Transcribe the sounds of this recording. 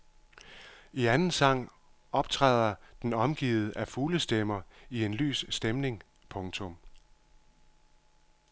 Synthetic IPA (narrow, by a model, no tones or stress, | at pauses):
iænn̩sɑ̈ŋ̰ | ɒ̽b̥t͡sʰʁɑð̞̰ˠɐd̥enɒ̽mɡ̥ḭːð̞̩ˠʔæfuːləsd̥emɐie̝nly̰ːssd̥emne̝ŋ | pʰɔ̽ŋt͡sʰɔ̽m